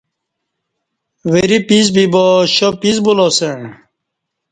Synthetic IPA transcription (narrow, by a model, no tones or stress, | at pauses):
weɾipiz̬biboɕopizbuloseɳ